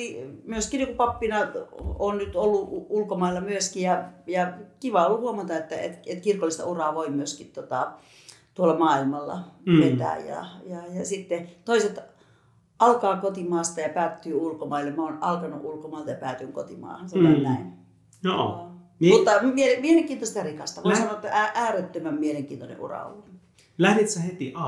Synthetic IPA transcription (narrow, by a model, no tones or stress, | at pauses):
imyøskinikupɑpːinɑonnyt̪olːuuulkomɑilːɑmyøskijɑjɑkiʋɑolːuhuomɑt̪ɑet̪ːæḛt̪et̪kirkolːˑist̪ɑ̰urɑːʋoimyøskit̪t̪ot̪ɑ | t̪uolːɑmɑːilmɑlːɑ̰ʋet̪æ̰ːjjɑ̰jɑjɑsit̪ːet̪oiset̪ | ʔɑlkɑːkot̪imɑːst̪ɑjɑpæːt̪ːyːulkomɑilːemoːnɑlkɑnuʔulkomɑˑːlt̪ɑjɑpæːt̪yŋkot̪imɑ̰ːhɑnsɑnoennæin | jo | nmut̪ːɑmielemieleŋkiːnt̪ost̪ɑrikɑst̪ɑʋoisɑnoet̪ːææʔæːret̪ːømæmmieleŋkḭːnt̪onḛʔṵrɑ̰o̰lːu | læhnit̪sæhet̪iɑ